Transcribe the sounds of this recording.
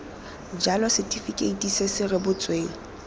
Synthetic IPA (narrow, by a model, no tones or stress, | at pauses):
d͡ʒalɔsɛtʼifikʼeitʼisesɪrɪbʊt͡sʼweːl̩